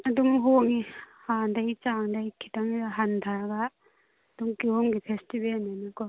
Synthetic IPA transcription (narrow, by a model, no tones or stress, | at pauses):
adumɦoŋi | handajt͡ʃandajkʰi̥taŋidaɦandʱaɾɡa | duŋkioŋɡipʰestibenanikɔ